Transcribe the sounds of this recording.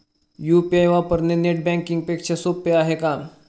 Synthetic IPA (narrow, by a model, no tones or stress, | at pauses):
jupiajʋapəɾneneʈ̚bɛ̃ŋkiŋɡ̚pekɕasopːeaɦeka